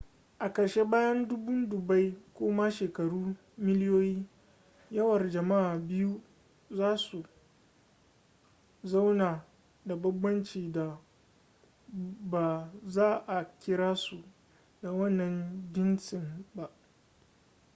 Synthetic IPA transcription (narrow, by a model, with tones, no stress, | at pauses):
ʔa˨kɐ˨ɾʃe˦baː˦jɐ˦ndʊ˦bʊ˦ndʊ˨ba˦jkʷoː˦ma˦ʃeː˨kɐ˨ɽuː˦ | mɪ˦ljoː˦jiː˦ | jɐ˦wɐ˨rd͡ʒɐ˨ma˦ʔaː˨bɪ˦ju˦ | zaː˦su˨ | za˦wnaː˨ | da˨bɐ˦bːɐ˦nt͡ʃiː˨da˨ | ba˨zaː˦ʔa˨kʲɪ˦ɾaː˦su˨ | da˨wɐ˦nːɐ˨nd͡ʒʲɪ˦nt͡ʃɪ˨mba˦ʔ